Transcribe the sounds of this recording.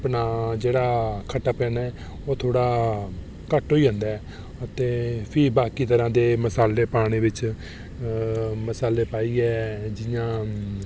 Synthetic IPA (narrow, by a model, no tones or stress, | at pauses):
pnaːd͡ʒeːɽaːkʰəʈːaːpɛ̃ːnaɛː | oːt̪ʰoːɽaː | kəʈoːiːə̃nd̪aːɛ | ət̪eːpʰɪbaːkiːt̪əɾãːd̪eːməsaːleːpaːɽ̃eːbɪt͡ʃ | məsaːleːpaːiːɛːd͡ʒɪjãː